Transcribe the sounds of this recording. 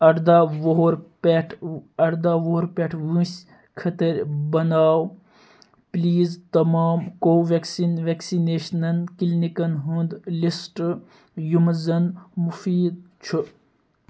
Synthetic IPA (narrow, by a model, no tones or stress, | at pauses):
ɐʈd̪aʋoɾpeʈʰɐɽd̪aːʋoːɾpʲeʈʰʋũsʲ | kʰɐt̪ɐɾʲbɐnaːw | pliːzt̪ɐmaːmkoːʋeksinʋeksineːʃnɐnkilnikɐnɦund̪lisʈ | jumzɐnmufiːd̪̚t͡ʃʰu